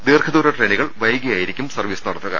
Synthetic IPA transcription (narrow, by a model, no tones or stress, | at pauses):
d̪iːrkʰɐðuːɾɐʈreːniɣɐɭʋɐjɡijaːjiɾikʲːumsɐrʋiːsɨnɐɽɐt̪ːuɣɐ̰